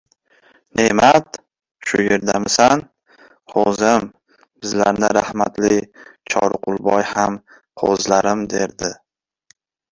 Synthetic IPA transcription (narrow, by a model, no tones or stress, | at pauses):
ne̞mat̪ | ʃʊje̞ɾd̪amɪsan | qʰozɪm | bɪzlaɾnɪɾahmat̪lɪt͡ʃʰɒ̰ɾqʰʊlˠbɒjham | qʰo̰zlaɾɪmd̪e̞ɾd̪ɪ